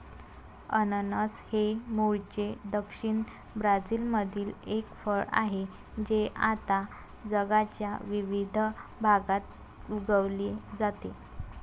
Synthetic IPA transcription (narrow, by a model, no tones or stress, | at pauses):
ənənəshemoɭt͡ɕed̪əkʂiɳ | bɾad͡zilməd̪ʱiːlekfəɭa̰ɦe | d͡ʑeʔa̰t̪a | d͡zəɡat͡ɕja̰ʋiʋid̪ʱbʱaɡat̪ | uɡəʋlid͡zat̪e